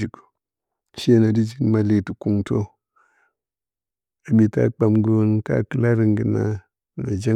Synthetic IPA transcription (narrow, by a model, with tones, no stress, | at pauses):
i˨k | ʃe˦na˨di˦d͡ʒi˨kma˦le˨ti˨ku˨ŋto˦ | a˨bi˨ta̰˦k͡pa˨mɡu˦nta̰˦kɨ˦la˦ɾi˨ŋɡi˨na˦˨ | na˨d͡ʒe˦